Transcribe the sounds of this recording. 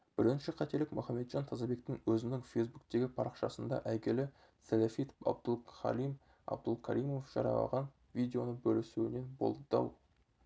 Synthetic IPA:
b̥ɪɾɪnʃɪqʰɑt̪e̞lɪkmʊχɑmːe̞t̪ʒ̥ɑnt̪ʰɑzɑbe̞kt̪ɪŋwɵzɪnɪŋfejzbuk̚t̪e̞ɡʲɪpʰɑɾəqʃɑsənd̪ɑ̰ʔæɡʲelɪ | selefit̪ɑ̰b̚d̪əlˠχɑ̰lim | ɑ̰bd̪əlˠkʲʰɑ̰ɾijmo̞fʒ̥ɑ̰ɾɑ̰lɑ̰ʁɑn | vijd̪eo̞nəbɵlɪsuwɪne̞nbo̞̰lˠəd̪ɑ̰w

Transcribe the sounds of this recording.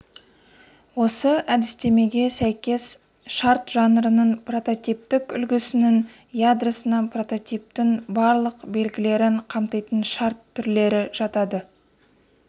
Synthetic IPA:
wo̞səæd̪ɪst̪e̞me̞ɡʲe̞sæjkʲe̞s | ʃɑɾt̪ʒɑnəɾənəɴpro̞t̪o̞t̪ijp̚t̪ɪkʲʏ̰lɡʲɪsɪnɪŋ | jad̪rasənɑpro̞t̪o̞t̪ijp̚t̪ɪŋbɑɾlˠəqbe̞lɡʲɪle̞ɾɪɴqʰɑmt̪ɑjt̪ənʃɑɾt̪ʰːʏɾle̞ɾɪʒ̥ɑt̪ɑd̪ə

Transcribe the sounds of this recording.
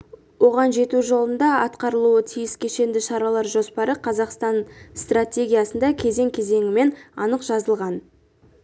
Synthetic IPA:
wo̞ʁɑnʒe̞t̪uʒo̞lˠənd̪ɑɑt̪qɑɾəlˠuət̪ʰijɪskʲʰe̞ʃe̞nd̪ɪʃɑɾɑlˠɑɾʒo̞spɑɾəqʰɑzɑqst̪ɑnst̪ratʲe̞ɡʲijasənd̪ɑkʲʰe̞ze̞ŋkʲʰe̞ze̞ŋʲɪme̞nɑ̰nəqʒ̥ɑzəlˠʁɑn

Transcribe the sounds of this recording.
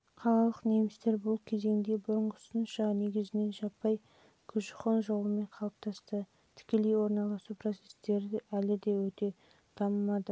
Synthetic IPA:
qʰɑlˠɑlˠəqne̞mɪst̪e̞ɾbʊlˠkʲʰe̞ze̞ŋd̪e̞bʊɾəɴqʊsənʃɑne̞ɡʲɪzɪne̞nʒɑpːɑj | kʲʰʏʒɪχonʒo̞lˠəme̞ɴqʰɑlˠəp̚t̪ʰɑst̪ə | t̪ʰɪ̥kʲe̞le̞jwo̞ɾnɑlˠɑsupro̞t̪se̞̥st̪e̞ɾɪælɪd̪e̞wɵt̪e̞ | d̪̥ʰɑməmɑd̪ə

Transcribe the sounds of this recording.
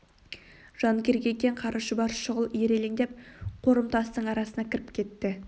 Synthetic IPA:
ʒ̥ɑŋkʲe̞ɾɡʲe̞kʲe̞ɴqʰɑɾʔəʃəbɑɾʃʊʁəlˠjeɾe̞leŋd̪e̞p̚qʰo̞ɾəmt̪ʰɑst̪əɴɑɾɑsənɑkʲʰɪɾɪpkʲʰe̞t̪ːɪ

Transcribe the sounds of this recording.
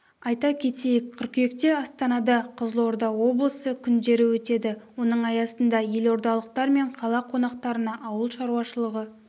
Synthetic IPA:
ɑjt̪ɑkʲʰe̞t̪e̞jɪkʲkʲʰʏɾkʲʏje̞kt̪e̞ɑst̪ɑnɑd̪ɑqʰəzəlˠo̞ɾd̪ɑwo̞blˠəsəkʲʰʏnd̪e̞ɾɪwɵt̪e̞d̪ɪwo̞nəɴɑjɑsənd̪ɑje̞lo̞ɾd̪ɑlˠəq̚t̪ɑɾme̞ɴqʰɑlˠɑqʰo̞nɑq̚t̪ɑɾənɑʔɑwəlˠʃɑɾuɑʃəlˠəʁə

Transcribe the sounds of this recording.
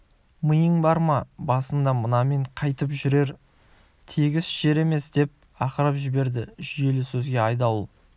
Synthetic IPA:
məjəɴbɑɾmɑbɑsənd̪ɑmənɑme̞ɴqʰɑjt̪əpʒʏɾe̞ɾ | t̪ʰeɡʲɪsʒ̥e̞ɾe̞me̞sd̪e̞p̚ | ɑqəɾɑpʒɪbe̞ɾd̪ɪʒʏje̞lɪsɵzɡʲe̞ɑjd̪ɑlˠṵ

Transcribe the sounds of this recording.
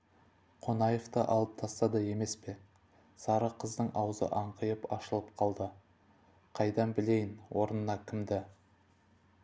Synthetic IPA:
qʰo̞nɑjeft̪əʔɑ̰lˠəp̚t̪ʰɑst̪ɑd̪ɑje̞me̞spe̞ | sɑɾəqʰəzd̪əɴʔɑwzə̰ʔɑɴqəjəpɑʃəlˠəpqʰɑlˠd̪ə | qʰɑjd̪ɑnbɪle̞jɪnwo̞ɾənənɑkʲʰɪmd̪ɪ

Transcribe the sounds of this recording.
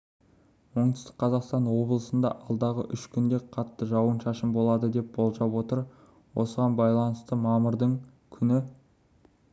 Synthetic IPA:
wo̞ɴt̪əst̪ə̥qqʰɑzɑqst̪ɑnwo̞blˠəsənd̪ɑ̰ʔɑlˠd̪ɑʁəʔʏʃkʲʰʏnd̪e̞qʰɑt̪ːəʒɑwənʃɑʃəmbo̞lˠɑd̪əd̪e̞p̚bo̞lˠʒɑpwo̞t̪əɾ | wʔosəʁɑnbɑjlˠɑnəst̪əmɑməɾd̪əɴ | kʲʰʏnɪ

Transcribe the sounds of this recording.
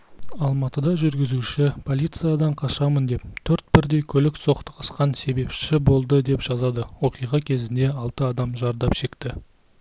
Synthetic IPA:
ɑlˠmɑt̪əd̪ɑʒʏɾɡʲɪzuʃɪpʰo̞lʲˠijt̪sɨjad̪ɑɴqʰɑʃɑmənd̪e̞p̚t̪ʰɵɾt̪̚bɪɾd̪e̞jkʲʰɵlɪkso̞qt̪ə̥qəsqɑnse̞be̞pʃɪbo̞lˠd̪əd̪e̞pʒ̥ɑzɑd̪əwo̞qijʁɑkʲʰe̞zɪnd̪e̞ɑlˠt̪əɑd̪ɑmʒɑɾd̪ɑpʃe̞kt̪ɪ

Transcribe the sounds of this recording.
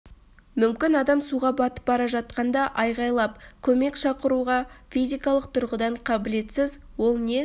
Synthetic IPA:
mʏmkʲɪnɑd̪ɑmsuʁɑbɑt̪ə̥p̚bɑɾɑʒɑt̪̚qɑnd̪ɑʔɑjʁɑjlˠɑp̚kʲʰɵme̞kʃɑqəɾuʁɑfʲijzijkɑlˠəq̚t̪ʰʊɾʁəd̪ɑɴqʰɑbɪle̞t̪sɪz | wo̞lˠne̞

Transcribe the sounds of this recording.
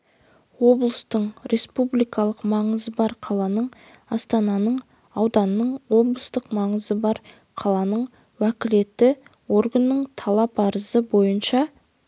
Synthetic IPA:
wo̞blˠəst̪əɴɾʔe̞spublijkɑlˠəqmɑɴəzəbɑɾqʰɑlˠɑnəɴ | ɑst̪ɑnɑnəɴ | ɑwd̪ɑnːəɴwo̞blˠəst̪əqmɑɴəzəbɑɾ | qʰɑlˠɑnəɴ | wækʲɪle̞t̪ːɪ | wo̞ɾɡənːəɴt̪ʰɑlˠɑpɑɾəzəbo̞jənʃɑ

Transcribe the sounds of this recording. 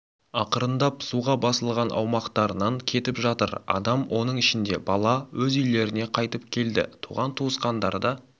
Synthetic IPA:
ɑqəɾənd̪ɑpsuʁɑbɑsəlˠʁɑnʔɑ̰wmɑqt̪ɑɾənɑŋkʲʰe̞t̪ɪpʒɑt̪əɾɑ̰d̪ɑmwʔo̞nəɴɪʃɪnd̪e̞bɑlˠɑwɵzʏjle̞ɾɪne̞qʰɑjt̪əpkʲʰe̞ld̪ɪ̰t̪ʰuʁɑnt̪ʰuəsqɑnd̪ɑɾd̪ɑ

